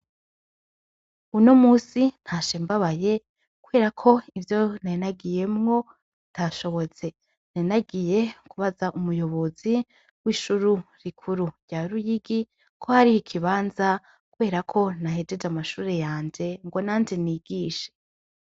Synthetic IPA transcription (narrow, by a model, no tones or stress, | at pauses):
unomuːsin̥haʃeːmbaβaje̞ | kuβe̞ːɾakʰo̞ivjo̞nanaɡije̞mŋo̞ | ntʰaʃo̞βo̞t͡se̞ | nenaɡije̞kuβazaʔumujo̞βo̞zi | wiːʃuɾuɾikʰuɾuɾɟ̥aːɾujiɡi | kʰohaɾihikʰiβaːnza | kuβe̞ːɾakʰo̞nahe̞d͡ʒe̞d͡ʒamaʃuːɾe̞jaːnd͡ʒe̞ŋɡo̞naːnd͡ʒe̞niːɡiːʃe̥